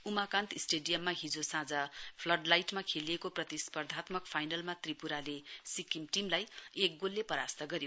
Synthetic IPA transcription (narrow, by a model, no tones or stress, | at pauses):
umakãnt̪isʈeɖijʌmːaɦid͡zosãd͡zapʰlʌɖlajʈmakʰeliekoprʌt̪ispʌrd̪ʱat̪mʌkpʰajnʌlmat̪ripuɾalesikimʈimlajek̚ɡolːepʌɾast̪ʌɡʌɾjo